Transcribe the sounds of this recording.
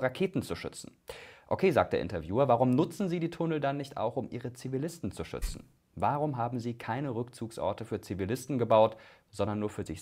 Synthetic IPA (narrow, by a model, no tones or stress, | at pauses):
ʁakʰeːtn̩t͡suʃʏ̰t͡sn̩ | ʔokʰeːzaːk̚td̥ḛːɐʔɪ̰ntɐvjuːɐvaːʁʊmnʊt͡sn̩ziːdiːtʰʊnl̩danːɪçta̰ʊxʊmʔiːʁət͡sivilɪstn̩t͡suʃʏ̰t͡sn̩ | vaʁʊmɦaːbm̩ziːkʰaɪnəʁʏkt͡suːksʔɔ̰ɐtəfyːɐt͡sivilɪstn̩ɡəbaʊtz̥ɔndɐnːuːɐfyːɐzɪç